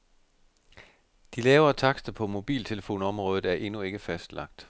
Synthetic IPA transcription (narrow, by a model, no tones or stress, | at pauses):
d̥ilɛːʊɐt͡sʰɑ̈ɡ̥sd̥əpʰɒ̽mo̝b̥ḭːlt͡sʰe̝ləfo̝̰ːnɒ̽mʁɔ̽ːð̞̩ˠæɐʔe̝nue̝ɡ̥əfæsd̥lɑ̈ɡ̥̚d̥